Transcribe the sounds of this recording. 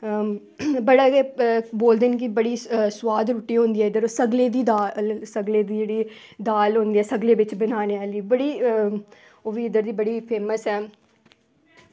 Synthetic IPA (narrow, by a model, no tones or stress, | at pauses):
bəɽaːeboːld̪eːnk̬ɪbəɽiːswaːd̪ɾuːʈːiːɦõːnd̪iːɛːɪd̪əɾoːsəɡleːd̪iːd̪aːlsəɡleːd̪iːd͡ʒeːɽiː | d̪aːlɦõːnd̪iːɛːsəɡleːʋɪt͡ʃbənaːneːaːliːbəɽiː | oːʋiːɪd̪əɾd̪iːbəɽiːpʰeːməsɦɛː